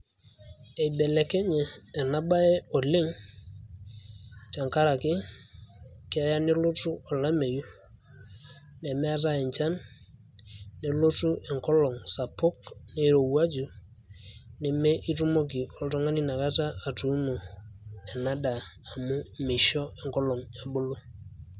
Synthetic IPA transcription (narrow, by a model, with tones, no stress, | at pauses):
e˨bɛ˨lɛ˨kɛ˦ɲɛː˨na˦ba˦ɛ˦ɔ˨lɪ˦ŋ | ta˨ŋka˦ɾa˨kɪ˦ | kɪ˦a˨˦ja˦ne˦lo˦tu˦ɔ˨la˦me˨ju˦ | nɛ˨mɛ˦a˦t̬a˦ɛ˨ɲt͡ʃa˦n | ne˨lo˦tu˦ʔɛ˨ŋkɔ˦lɔ˨ŋsa˨pʊ˦kne˦ɾo˨wa˦d͡ʒu˨ | nɛ˨me˦ʔi˦tu˦mo˦k̬i˨ɔ˨ltɔ˦ŋa˦ni˦na˨ka˦taː˦˨tu˨˦nu˨ɛ˨na˦daː˨mʊ˦mɪ˨ʃɔ˦ɛ˨ŋkɔ˦lɔ˨ŋa˨bʊ˦lʊ˦